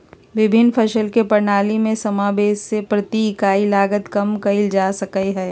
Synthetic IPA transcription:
ʋɪbʱɪnːpʰɐʃəlkepɐɾnaːlimẽsɐmaːbeːssepɾɐt̪ikaːilaːɡət̪kɐmkɐɪld͡ʒaːsɐkəeɦɛː

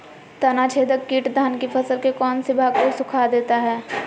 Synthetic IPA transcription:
t̪ɐnat͡ʃʰeːd̪əkːiːʈd̪ʱaːnkipʰɐsəlkekɔːnsɪbʱaːɡkosʊkʰad̪eːt̪aɦɛː

